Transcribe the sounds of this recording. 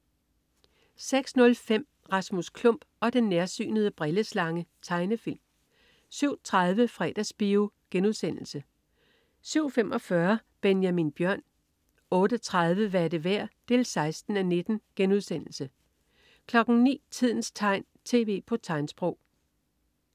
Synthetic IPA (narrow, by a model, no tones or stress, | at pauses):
seɡ̥snɔ̽lfem̰ | ʁɑ̈smuskʰlɔ̽m̰b̥ɒ̽d̥enːeɐsy̰ːnəð̞̩ˠəb̥ʁɛləslɑ̈ŋət͡sʰɑ̈ɪnəfil̰m | syʊ̰t͡sʰʁɑðˠʋəfʁɛ̰d̥æsb̥io | ɡ̥enuð̞ˠsen̰l̩sə | syʊ̰fem̰ʔɒ̽fɶɐb̥enjæminb̥jɶɐ̰n | ɔ̽ːɾ̥ət͡sʰʁɑð̞ˠʋəʋæɐdəʋæɐ̰d̥e̝ːlsɑ̈ɪsd̥n̩æne̝d̥n̩ɡ̥enuð̞ˠsen̰l̩sə | kʰlɒ̽ɡ̥n̩nḭːt͡sʰið̞̰ˠn̩st͡sʰɑ̈ɪ̰n | t͡sʰe̝̰ːʋe̝̰ːpʰɒ̽t͡sʰɑ̈ɪnsb̥ʁɔʊ̰